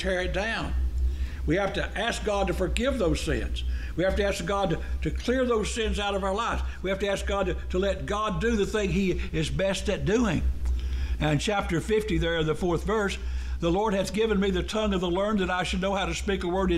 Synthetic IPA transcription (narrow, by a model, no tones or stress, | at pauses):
tʰɛɹɨt̚d̥ãʊ̃n | wihæftɨʔæsk̚ɡ̥ɑd̚tɨfə˞ɡɪvðoʊz̥sɪ̰̃nz̥wihæftɨæsk̚ɡ̥ɑd̚tɨtʰɨkʰl̥ɪɹðoʊz̥sɪ̃nzaʊɾʌvaʊə˞laɪvz̥wihæftɨæsk̚ɡ̥ɑd̚tɨtʰəlɛt̚ɡ̥ɑdɨðɨθɪ̃ŋiɪzbɛstɨt̚d̥ʉɪ̃ŋ | ɨ̃nt͡ʃʰæp̚tə˞fɪftiðə˞ðɨfɔɹθvɜ˞s | ðəlɔɹd̚ɨzɡɪvɨ̃nmiðɨtʰʌ̃ŋʌvðəlɜ̃˞nðɨɾaɪʃɨd̚ⁿnoʊhaʊɾɨspikəwɜ˞ɾɨ